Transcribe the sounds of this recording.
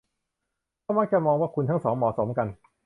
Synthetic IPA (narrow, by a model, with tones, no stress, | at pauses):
aː˥˩ma˥˩k̚t͡ɕa˧˩mɔː˧ŋwaː˥˩kʰu˧nt̪ʰa˥˩ŋsɔː˩˦˥ŋmɔ̰ː˨˩so˩˦mka˧n